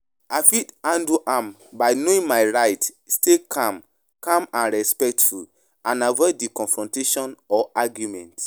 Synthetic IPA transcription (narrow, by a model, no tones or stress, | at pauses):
afidãnduʔãm | baɪnoĩŋmajɹajt | stekʰãm | kãmãnɹɛspɛk̚tful | ãnavɛdikɔ̃nfɹɔ̃nteʃɔ̃nɔʔaɡjumɛ̃nt